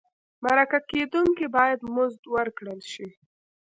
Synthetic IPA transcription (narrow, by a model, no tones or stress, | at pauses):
maɾakaked̪uŋkibɑjad̪mʊzd̪wəɾkɽəlʃi